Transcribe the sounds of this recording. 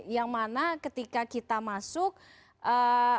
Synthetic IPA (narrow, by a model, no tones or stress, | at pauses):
jaŋmanakət̪ikakit̪amasʊk̚ | ʔə